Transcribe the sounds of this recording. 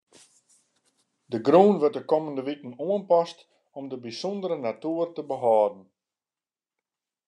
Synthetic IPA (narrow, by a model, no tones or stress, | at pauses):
dəɡroːnʋərt̚dəkɔməndəʋikən̩oənpɔst | ɔmdəbisɔndəɾənatuːərtəbəɦɑːdən̩